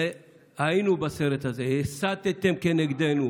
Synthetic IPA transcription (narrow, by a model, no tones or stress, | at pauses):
e | hainubaseɾet̪hazehesat̪et̪emkeneɡd̪enu